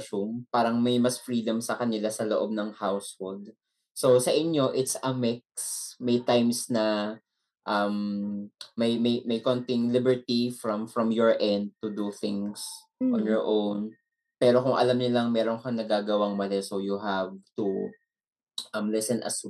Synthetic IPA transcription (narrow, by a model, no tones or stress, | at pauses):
sumpaːɾɐŋmɐjmɐsfɹiːd̪ɐmsɐkɐnɪlasɐloʔo̞b̚nɐŋhawshold̪̚ | sowsɐʔɪɲːo̞ʔɪt̪sɐmɪk̚smɐjt̪ajmsnɐ | ʔɐmː | ɐjmɐjmɐjkont̪ɪŋlɪbɛɹt̪ifɹɐmfɹɐmjɔɹʔɛ̃nd̪̚t̪ud̪uθɪŋs | ɔnjɔɹʔown | pɛːɾokʊŋʔɐ̰lɐmɲɐlɐŋmɛːɾoŋkɐŋnɐɡaːɡɐwɐŋmɐlɛsowjuɦavt̪u | ʔɐmlɛsɛnʔɐ̰su